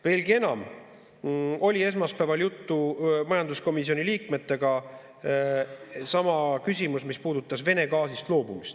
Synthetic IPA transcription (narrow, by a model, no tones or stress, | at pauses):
ve̞ːlɡie̞nɑm | o̞lʲie̞s̬mɑspæːvɑljut̪ːumɑjɑnd̪usko̞misio̞niliːkme̞t̪ːˑe̞ɡ̥ɑ | sɑmɑkysʲimusmispuːd̪̥ut̪ːˑɑsve̞ne̞ɡɑːsist̪lo̞ːbumist̪